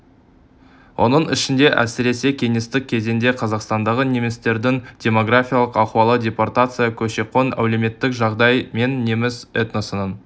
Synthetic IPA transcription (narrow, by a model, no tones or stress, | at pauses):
wʔo̞̰nəɴɪ̰ʃɪnd̪e̞ʔæ̰sɪɾe̞se̞kʲʰe̞ŋest̪ɪk̚ʲʰːe̞ze̞nd̪e̞qʰɑzɑqst̪ɑnd̪ɑʁəne̞mest̪e̞ɾd̪ɪŋdʲe̞mo̞ɡrafʲijaɑlˠəqɑqwɑlˠədʲe̞port̪at̪sɨjakʲʰɵʃe̞qo̞næ̰wle̞me̞t̪ːɪkʒɑʁd̪ɑjme̞nːe̞mɪset̪nosənən